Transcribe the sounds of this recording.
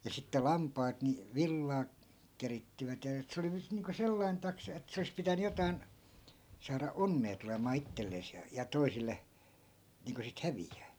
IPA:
jɑ sitːe lɑmpɑːt ni ʋilːɑː keritːiʋæt jɑ et se oli nyt niːŋko selːɑin tɑksɑ et se olis pitæny jotɑi̯n sɑːrɑ onːeː tulemɑː itːelːeːs jɑ jɑ toisilːe niːŋko sit hæʋijːæː

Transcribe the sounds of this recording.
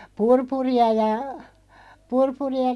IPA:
purpuriɑ jɑ purpuriɑ

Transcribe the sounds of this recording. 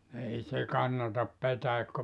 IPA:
ei se kɑnːɑtɑp petæikːø

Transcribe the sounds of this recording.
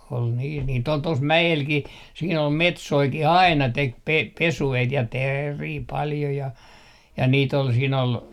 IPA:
ol niːs niːtː ol tos mæelkih siːn ol metsoikih ɑinɑ tek pe pesueit jɑ teːriː pɑljo jɑ jɑ niːt ol siːn ol

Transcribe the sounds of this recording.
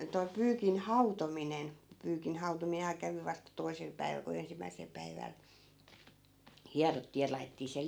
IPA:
toi pyːkin hɑutominen pyːkin hɑutomiːnhɑː kæʋi ʋɑstɑ toi̯sel pæiʋæl ku ensimːæisel pæiʋæl hiɑrotːiː jɑ lɑi̯tetːiː se

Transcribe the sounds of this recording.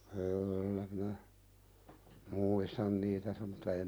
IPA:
kyːlːæ minæ muːistɑn niːtæ sem mutːɑ em

